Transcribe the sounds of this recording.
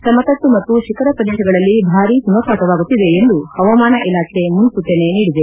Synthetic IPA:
sɐmɐt̪ɐt̪ːumɐt̪ːuʃikʰɐɾɐpɾɐd̪ɛːʃɐɡɐɭɐlːibʱaːɾisumɐpʰaːtɐʋaːɡut̪ːid̪e̞ːnd̪uhɐʋɐmaːnɐʔilaːkʰemunsut̪ːeneniːɽid̪e

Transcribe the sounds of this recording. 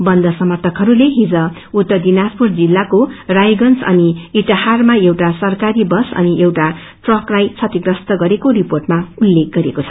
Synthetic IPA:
bʌnd̪ʌsʌmʌrt̪ʰʌkɦʌɾuleɦid͡zʌ | ut̪ːʌd̪inaspurd͡zilːakorajɡʌnsʌ̰niiʈaharmaewʈasʌrkaɾibʌsʌ̰niʔewʈa | ʈrʌklajt͡sʰʌt̪iɡrʌst̪ʌɡʌɾekoɾiporʈmaulːek̚ɡʌɾekot͡sʰʌ̥

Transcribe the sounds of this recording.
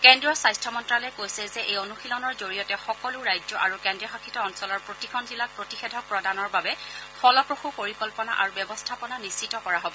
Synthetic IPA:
kɛndɹɔsajstʰɔmɔntɹalɛkojsɛzɛʔejonuxilɔnɔɹzoɹijɔtɛxɔkɔlʊɹajd͡ʒɔʔaɹukɛndɹiɔxakʰitɔɔnsɔlɔɹpɹotikʰɔndilak̚pɹotixedʱɔpɹɔdanɔɹbabɛfɔlɔpɹoxupoɹikɔlpɔna̰ʔaɹubjɛbɔstʰapɔnanist͡ʃitɔkɔɹaɦobɔ

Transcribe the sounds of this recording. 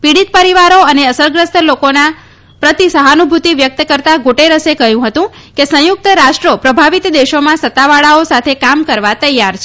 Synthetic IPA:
piɽit̪̚pəɾiʋaɾoəneəsəɾɡɾəst̪lokona | pɾət̪isəɦanubʱut̪iʋjək̚t̪əkəɾt̪aɡoʈeɾəsekəɦjũɦət̪ũ | kesə̃jʊk̚t̪əɾaʃʈɾopɾəbʱaʋit̪d̪eʃomãsət̪ːaʋaɭaosat̪ʰekamkəɾʋat̪əjːaɾt͡ʃʰe

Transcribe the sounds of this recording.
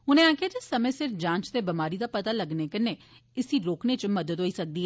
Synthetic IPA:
ʊnẽːaːkʰɪaːd͡ʒeːsəmẽːsɪɾd͡ʒãːt͡ʃt̪eːbəmaːɾiːd̪aːpət̪aːləɡneːkɪneː | ɪsiːɾoːkneːt͡ʃməd̪əd̪ɦoːiːsək̚d̪iːɦɛː

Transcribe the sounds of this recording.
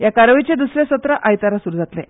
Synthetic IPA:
jakaɾʋit͡ɕed̪usɾesət̪ɾəʔajt̪aɾasuɾud͡zʱat̪le

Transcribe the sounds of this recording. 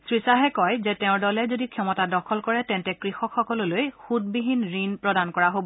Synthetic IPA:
sɹisaɦɛkɔjzɛtɛʊ̃ɹdɔlɛzodikʰɔmɔtadɔkʰɔlkɔɹɛtɛntɛkɹixɔkxɔkɔlɔlojxut̚biɦinɹinpɹɔdankɔɹaɦobɔ

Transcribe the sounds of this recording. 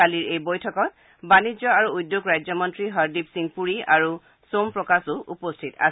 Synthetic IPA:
aliɹejbojtʰɔkɔt̚ | banizjɔaɹuudjoɡɹajzɔmɔntɹiɦaɹdipsiŋpuɹiaɹu | sompɹɔkasʊʔupostʰita̰s

